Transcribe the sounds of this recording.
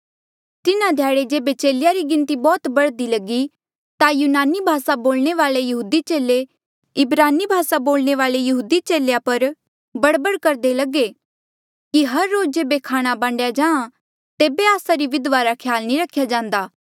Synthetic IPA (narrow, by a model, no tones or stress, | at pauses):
t̪ɪnãd̪ʱjaːɽed͡ʒeːbet͡ʃeːlɪjaɾiɡɪ̃nt̪ibɔːt̪bɐɽd̪ilɐɡi | t̪ajuːnaːnibʱaːsaboːlɽ̃eʋaːlejɐɦuːd̪it͡ʃeːle | ɪbɾaːnibʱaːsaboːlñeʋaːlejɐɦuːd̪it͡ʃeːljapɐɾ | bɐɽbəɽkɐɾd̪elɐɡe | kiɦɐɾːoːd͡ʒd͡ʒeːbekʰaːɽ̃abãːɳɖjad͡ʒãːã | t̪eːbeaːsaɾiʋɪd̪ʋaɾakʰjaːlnĩɾɐkʰːjad͡ʒãːnd̪aː